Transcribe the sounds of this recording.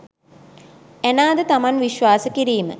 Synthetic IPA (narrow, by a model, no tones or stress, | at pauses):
ænaːd̪ət̪amanʋiɕʋaːsəkiɾiːmə̰